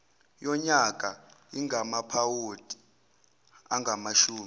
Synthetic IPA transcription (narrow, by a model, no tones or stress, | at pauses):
jɔɲakʼaiŋʱamapʰawod̥ʼi̥ | aŋɡʱamaʃuːmi